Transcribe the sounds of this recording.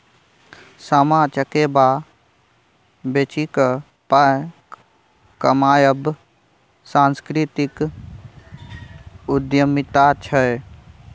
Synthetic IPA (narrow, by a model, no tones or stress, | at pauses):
səmaːt͡ʃəkeba | bet͡ʃik | pa | kəmaːjəb | sãːnskɾit̪ik | ʊd̪jəmit̪at͡ʃʰə